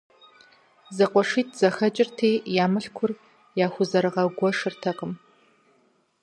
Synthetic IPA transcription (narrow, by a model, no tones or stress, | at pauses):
zɐqʷɔʂiːt̚ʰz̥ɐxɐt͡ʃʼɪrtʰeːjaːmɨɬkʷʰʊr | jaːxʷʊzɐɾɨʁɐɡʷɔʂɨrtʰɐqʼəm